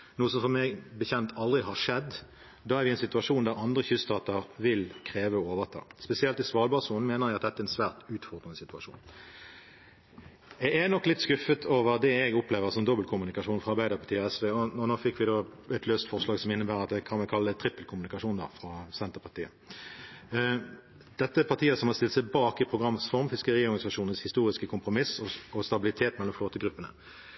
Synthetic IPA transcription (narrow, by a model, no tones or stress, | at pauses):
nuːəsɔmfɔmɛɡbəçɛnt̪ʰɑld̪ʁɪɦɑʂɛd̪ | d̪ɑːæʁʋɪɛnsɪt̪ʉɑʂuːnd̪æːʁɑnd̪ʁəçʉst̪ʰɑːt̪əʁʋɪlkʰʁeːʋəɔoːʋəʁt̪ʰɑ̰ːspɛsɪɛlt̪ɪsʋɑːʁlbɑʁsuːnn̩meːnəʁjɛɡɑt̪d̪ɛt̪ːɛnsʋæːʁt̪ʉːt̪fɔʁd̪ʁənəsɪt̪ʉɑʂṵːn | ɛɡɛnɔkːlɪt̪skʉfət̪ʰoːʋəʁd̪ɛɛɡɔpleːʋəʁsɔmd̪ɔbəlkʰʊmʉnɪkɑʂuːnfʁɑɾʁbæɪd̪əʁpʰɑʁt̪iːɔɛsʋeːɔɔnoːfɪkːʋɪd̪oːɛt̪løːst̪fɔʁʂlɑːɡsɔmɪnːəbæːʁɑt̪kʰɑːmɛkʰɑlːət̪ʰʁɪpːəlkʰʊmʉnɪkɑʂuːnd̪ɑ̰ːfʁɑsɛnt̪əʁpʰɑʁt̪ʰiːə̰ | d̪̥ɛt̪ːəpʰɑʁt̪ʰiːəsɔmhɑst̪ɪlsæbɑːkɪpʰʁʊɡʁɑməsfɔʁmfɪskəʁiːɔʁɡɑnɪsɑʂuːnənshɪst̪uːʁɪskəkʰʊmpʁʊmɪsɔɔst̪ɑbɪlɪt̪ʰeːt̪mɛlɔmfloːt̪əɡɾʉpːənə̰